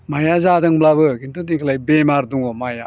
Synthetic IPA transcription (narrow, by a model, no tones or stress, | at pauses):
majazadɯŋblabɯkintudikʰlajbemaɾduŋɔmaja